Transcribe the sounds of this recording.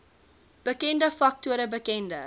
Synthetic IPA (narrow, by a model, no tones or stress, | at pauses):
b̥əkɛndəfɐk̚tuəɾəbəkɛndə